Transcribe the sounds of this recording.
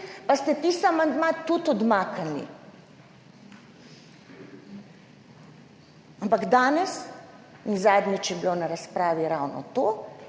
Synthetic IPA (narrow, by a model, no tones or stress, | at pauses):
past̪ɛt̪isamand̪mat̪ut̪ɔd̪maːkanḭ | ampaɡd̪aːnɛs | inzaːd̪nit͡ʃjɛblonaɾaspɾaːʋiɾawnɔ̰t̪oː